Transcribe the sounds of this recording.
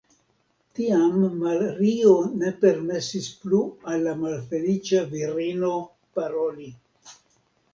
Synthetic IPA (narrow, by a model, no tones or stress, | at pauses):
tiamːaleɾio̞ne̞pe̞ɾme̞sisplualːamalfe̞lit͡ʃaviɾino̞ | paɾo̞li